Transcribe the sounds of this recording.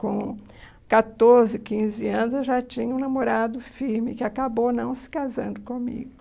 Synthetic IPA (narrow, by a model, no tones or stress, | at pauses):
kõ | kat̪oɾzɪkĩzɪɐ̃nʊzewʒat͡ʃĩɲɐũnamoɾad̪ʊfiɾmɪkɪakabownɐ̃w̃sɪ̥kazɐ̃nd̪ʊkõmḭɡʊ